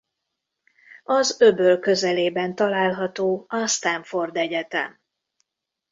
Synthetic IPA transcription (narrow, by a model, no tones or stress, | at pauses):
ɒzøbølkø̞zɛleːbɛnt̪ɒlaːlɦɒt̪oːɒst̪ɛɱfo̞rd̪ɛɟɛt̪ɛ̰m